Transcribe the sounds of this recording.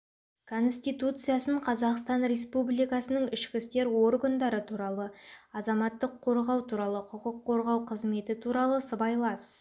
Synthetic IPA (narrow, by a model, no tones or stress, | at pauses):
kʰo̞nsʲt̪ijt̪ut̪sɨjasəɴqʰɑzɑqst̪ɑnɾe̞spublʲijkɑsənəɴɪʃkʲɪst̪e̞ɾwo̞ɾɡand̪ɑɾət̪ʰuɾɑlˠəɑzɑmɑt̪ːəqʰːo̞ɾʁɑwt̪ʰuɾɑlˠəqʰʊqəqʰːo̞ɾʁɑwqʰəzme̞t̪ɪt̪ʰuɾɑlˠəsəbɑjlˠɑs